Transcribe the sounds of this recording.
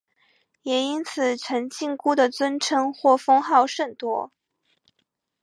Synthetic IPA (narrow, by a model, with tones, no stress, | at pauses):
jɛ˨˩i˥nt͡sʰɹ̩˨˩ʈ͡ʂʰə˧˥ŋt͡ɕi˥˧ŋku˥˩d̪ə˨t͡swə˥nʈ͡ʂʰɤ˥ŋxwɔ˥˩fɤ˥ŋxɑ˥˧ʊʂə˥˩ŋt̪wɔ˥